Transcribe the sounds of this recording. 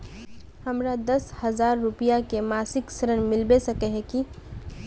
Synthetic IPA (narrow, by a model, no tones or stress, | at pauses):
həmɾad̪ɐshəzaːɾːʊpijakemaːsɪksəɾənmɪlbesəkeɦɛ̃ki